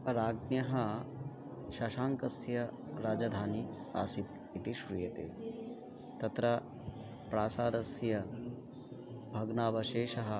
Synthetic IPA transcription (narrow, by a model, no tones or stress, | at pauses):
ɾaːɡnjɐɦɐ | ʃɐʃaːŋkɐsjɐ | ɾaːd͡ʒɐd̪ʱaːni | a̰ːsit̪ | it̪iʃɾujɐt̪ḛː | t̪ɐt̪ɾɐ | pɾaːsaːd̪ɐsjɐ | bʱɐɡnaːʋɐʃeːʃɐɦɐ̆